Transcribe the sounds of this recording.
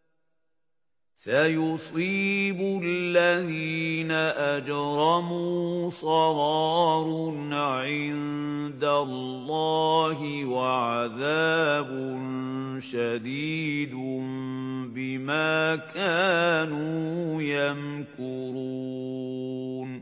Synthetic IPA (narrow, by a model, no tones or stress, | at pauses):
sajʊsˤiːbʊallːaðiːnaʔad͡ʒɾˤɑmuːsˤɑɾɑːɾunʕɪnd̪alːɑːɦɪwaʕaðaːbʊnʃad̪iːd̪ʊmbɪmaːkʰaːnujankʊɾuu | n